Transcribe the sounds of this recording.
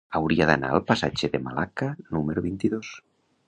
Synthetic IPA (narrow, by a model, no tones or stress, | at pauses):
awɾiaðana̰əlˠpasat͡ʃeðemalakanumeɾoβint̪iðos